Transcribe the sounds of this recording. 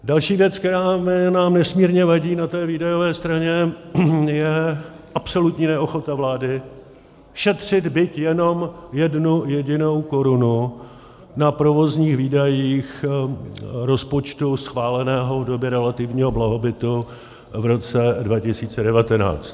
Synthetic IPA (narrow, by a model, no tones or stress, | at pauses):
dalʃiːvjɛt͡skt̪ɛɾaːmɪnaːmnɛsmiːɾɲɛvaɟiːnat̪ɛːviːdajo̞vɛːst̪ɾaɲɛ | jɛ | ʔapso̞lut̪ɲiːnɛʔo̞xo̞t̪avlaːdɪ | ʃɛt̪r̝̥ɪd̪bɪt̪jɛno̞mjɛdnujɛɟɪno̞wko̞ɾʊnu | napɾo̞vo̞zɲiːxviːdajiːx | ɾo̞spot͡ʃt̪usxvaːlɛnɛːɦovdo̞bjɛɾɛlat̪ɪvɲiːɦoblaɦo̞bɪt̪u | vɾo̞t͡sɛdvacɪsiːt͡sɛdɛvat̪ɛna̰ːt͡st̪